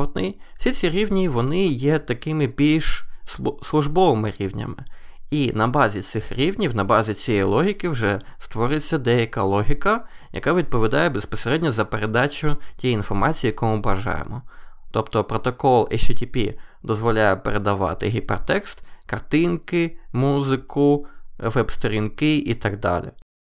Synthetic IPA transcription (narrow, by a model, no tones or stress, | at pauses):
ɔd̪nɪ̥sʲit͡sʲiɾʲiwnʲiʋɔnɪjɛt̪ɐkɪmɪbʲilʲʃsslˠʊʒbɔʋɪmɪɾʲiwnʲɐ̰mɪinɐbɑzʲit̪sɪxɾʲiwnʲiwnɐbɑzʲit͡sʲijɛjlˠɔɦʲikɪwʒɛst̪ʋɔɾɪt͡sʲːɐd̪ɛjɐkalˠɔɦʲikɐjɐ̰kaʋʲid̪̚pɔʋʲid̪ɑjɛbespɔseɾɛdʲnʲɔzɐpeɾed̪ɑt͡ʃʲʊtʲijinfɔrmɑt͡sʲijːjɐkɔmʊbɐʒɑ̰jḛmɔt̪ɔpt̪ɔpɾɔt̪ɔkɔlˠɪʃt͡ʃɛtʲipʲḭd̪ɔzʋɔlʲajɛpeɾed̪ɐʋɑ̰t̪ɪɦʲipɛ̰rt̪ɛkst̪kɐrt̪ɪnkɪmuzɪkʊʋɛbst̪ɔɾʲinkɪʔit̪ɐɡ̚d̪ɑ̰lʲḭ